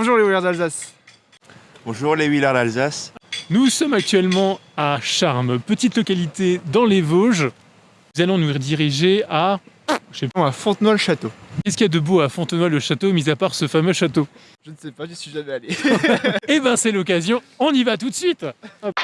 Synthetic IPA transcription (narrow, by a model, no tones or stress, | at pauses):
ɔ̃ʒuʁleulaʁd̪alzas | b̥ɔ̃ʒuʁlewilaʁd̪alzasnusɔmak̚t̪ɥɛlmɑ̃aʃaʁmpət̪it̪lɔkalit̪ed̪ɑ̃levoʒ | zalɔ̃nud̪iʁiʒea | ʃepafɔ̃t̪nwaləʃat̪okʲɛskʲiad̪əboafɔ̃t̪nwaləʃat̪omizapaʁsəfamøʃat̪o | ʒənsɛpaʒəsɥiʒamɛale | ebɛ̃sɛlɔk̬azjɔ̃ | ɔ̃nivat̪ut̪sɥit̪